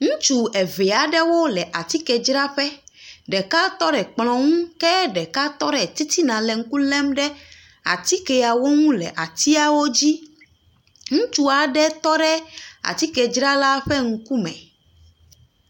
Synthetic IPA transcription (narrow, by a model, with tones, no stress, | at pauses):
ŋũ˦t͡ʃu˨ɛ˨ve˨a˨ɖɛ˦wo˦lɛ˨ʔa˨t̪i˦kɛ˨d͡ʒɾa˦ɸɛ˦ɖɛ˨ka˦t̪ɔ˦ɖɛ˨k͡plɔ̃˨ŋũ˦kɛ˦ɖɛ˨ka˦t̪ɔ˦ɖɛ˨t̪i˦t̪i˦nã˨lɛ˨ŋ̩˦ku˦lɛ˦mɖɛ˦ | a̰˨t̪i˦kɛ˨a˨wo˦ŋũ˦lɛ̰˨ʔa˨t̪i˦a˨wo˦d͡ʑi˦ | ŋũ˦t͡ʃu˦a˨ɖɛ˦t̪ɔ˦ɖɛ˦a̰˨t̪i˦kɛ˨d͡ʒɾa˦la˦ɸɛ˦ŋ̩˦ku˦mɛ̰̃˨